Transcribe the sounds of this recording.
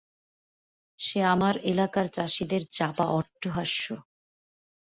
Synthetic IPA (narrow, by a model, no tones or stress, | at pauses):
ʃeamaɾelakaɾt͡ɕaʃid̪eɾt͡ɕapa̰ʔɔʈːoɦaʃːo